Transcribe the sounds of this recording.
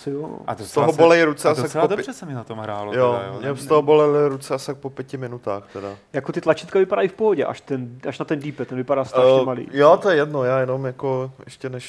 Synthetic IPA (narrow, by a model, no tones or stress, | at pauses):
sɪjo̰adost̪oɦobolɛɪɾut͡sɛasadorɛsɛmɪnat̪omɦɾa̰ːlojomɲɛst̪oɦobolɛlɪɾut͡sɛasak̚popjɛcɪmɪnut̪aːxt̪ɛda̰jakot̪ɪt̪lat͡ʃit̪kavɪpadaifpoɦoɟɛʔa̰ʃt̪ɛnʔaʃnat̪ɛndipɛt̪ːɛnvɪpaɾaːst̪ɾʃɛmalḭːjot̪ojɛjɛdnojaːjɛnomjakoʔɛʃcɛnɛʃ